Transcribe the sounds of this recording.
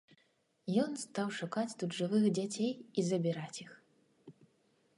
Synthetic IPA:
jɔnst̪awʂukat͡sʲt̪ud̪ʐɨvɨxd͡zʲat͡sʲejizɐbʲiɾat͡sʲix

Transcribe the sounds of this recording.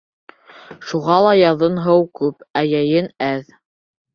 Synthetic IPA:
ʃuʁɑlˠɑjɑðɤnɦɤwkʉpæjæjɘnæð

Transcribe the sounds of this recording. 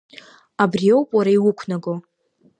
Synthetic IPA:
abriowpʼwaɾaiwʊkʷʰnaɡo

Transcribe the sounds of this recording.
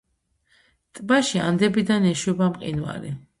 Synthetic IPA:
t̪ʼbaʃiand̪ɛbid̪anɛʃwɛbamqʼḭnwa̰ɾḭ

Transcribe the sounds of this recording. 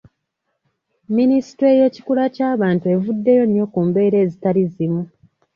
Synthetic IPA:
minisi̥twe̞je̞ci̥kulacaːβaːntue̞vudːe̞jo̞njo̞kuːmbe̞ːɾe̞ːzitalizimu

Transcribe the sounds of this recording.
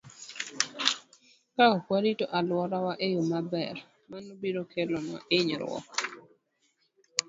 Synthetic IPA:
kakkwaɾitoʔalwɔɾawaʔejomabɛr | manobiɾokʰelɔnɔ̰ɪɲɾwɔ̰k

